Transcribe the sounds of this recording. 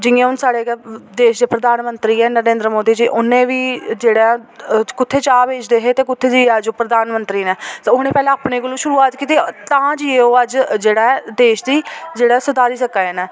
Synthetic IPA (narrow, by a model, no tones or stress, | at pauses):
d͡ʒɪŋẽːɦʊnsaːɽeːd̪eːʃd̪eːpɾəd̪aːnmənt̪ɾiːɛːnəɾẽːnd̪ɾəmoːd̪iːd͡ʒiːʔʊnẽːʋiːd͡ʒeːɽẽːkʊt̪ʰːeːt͡ʃaːbeːd͡ʒd̪eːɦeːt̪eːkʊt̪ʰːeːd͡ʒiːəd͡ʒoːpɾəd̪ʱaːnmənt̪ɾiːnɛːt̪ːʊɦnẽːpɛːlãːaːpneːkʊluːʃʊɾuːaːt̪kiːt̪it̪ãːd͡ʒiːeːoːəd͡ʒd͡ʒeːɽaːɛd̪eːʃd̪iːd͡ʒeːɽaːsʊd̪aːɾiːsəkːaeːnɛː